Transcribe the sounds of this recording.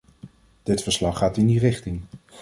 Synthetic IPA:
d̥ɪtfəɹslɑχːaːtɪndirɪχtɪŋ

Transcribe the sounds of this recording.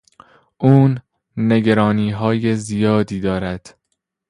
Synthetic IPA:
ʔuːnː | e̞ɡæɾɒːniːɦɒːje̞zijɒːd̪iːd̪ɒːɾæd̪̥

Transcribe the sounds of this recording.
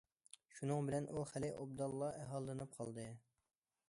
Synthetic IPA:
ʃunɨŋbɪlɛnʔuχælɪʔob̚d̪ɑlˠːɑʔɛɦɑlˠːɨnɨp̚qʰɑlˠd̪ɨ

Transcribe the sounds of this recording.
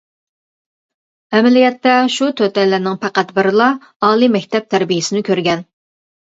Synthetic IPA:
ɛmɛlijɛt̪ːɛʃut̪ʰøt̪ɛlːænɪŋpʰæqæt̪bɪɾɨlˠɑ | ɑːlˠimɛkʲt̪ɛp̚t̪ʰæɾbijɪsɪnɪkʲʰøɾɡʲɛn

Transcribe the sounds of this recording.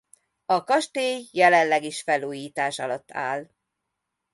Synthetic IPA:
ɒkɒʃt̪eːjːɛlɛnlɛɡiʃfɛluːjiːt̪aːʃɒlɒt̪ːa̰ːl

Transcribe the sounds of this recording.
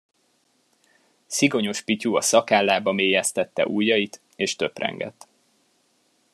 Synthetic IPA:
siɡo̞ɲo̞ʃpicuɒsɒkaːlːaːbɒmeːjɛst̪ɛt̪ːɛ̰ʔuːjːɒjit̪ | eːʃt̪ø̞prɛ̰ŋɡɛ̰t̪ː

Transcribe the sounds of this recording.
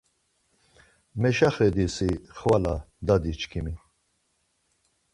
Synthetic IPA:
mɛʃaχɛd̪isiχvala | d̪ad̪it͡ʃkʰimi

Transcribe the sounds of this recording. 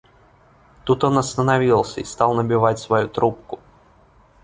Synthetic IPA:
t̪ut̪onɐst̪ənavʲilˠsʲəist̪ɑlˠnəbʲɪvatʲsvɐjut̪ɾup̚kʊ

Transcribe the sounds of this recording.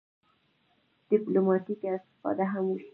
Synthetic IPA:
d̪̥ɪplomɑt̪ikast̪ɪ̥fɑ̰d̪aɦamuʃ

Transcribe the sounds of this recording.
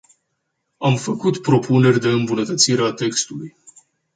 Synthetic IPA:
amfəkut̪pɾo̞pune̞rʲd̪e̞ɨmbunət̪ət̪siɾeat̪e̞kst̪uluj

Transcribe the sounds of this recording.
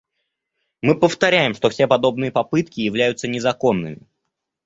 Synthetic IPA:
mɨpəft̪ɐɾʲæjɪmʂt̪o̞fsʲe̞pɐd̪o̞bnɨjəpɐpɨt̪kʲɪjɪvlʲæjʊt̪sənʲɪzɐko̞nːɨ̰mʲɪ̰

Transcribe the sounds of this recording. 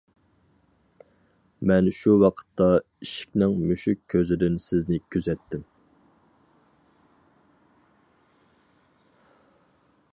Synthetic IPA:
mɛnʃuwɑqʰə̥t̪ʰːɑ | iʃɪ̥k̚ʲnɪŋmyʃɪkʲʰːøzɪd̪ɪnsɪznɪkʲʰyzɛt̪ʰːɪm

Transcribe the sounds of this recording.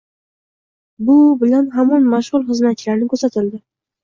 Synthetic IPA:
bʊbɪlanɦamɒnmaʃʁʊlˠχɨzmat̪̚t͡ʃɪlaɾnɪkʰɵɾsat̪ʰɪld̪ɪ

